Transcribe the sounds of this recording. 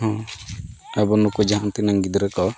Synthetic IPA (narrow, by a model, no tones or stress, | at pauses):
ɦɔ̃ | abɔnukud͡ʒaɦant̪inaŋɡid̪ɔɾɛkɔ